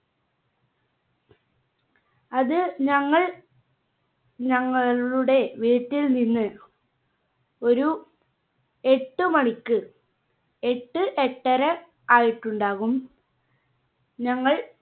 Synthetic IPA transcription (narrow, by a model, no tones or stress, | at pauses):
ɐðɨɲɐŋːɐɭ | ɲɐŋːɐɭuuɽe̞ʋiːʈːilninːɨ | o̞ɾu | e̞ʈːɨmɐɳikʲːɨ | e̞ʈːɨʔeʈːɐɾɐ | aːjiʈːuɳɖaːɣum | ɲɐŋːɐɭ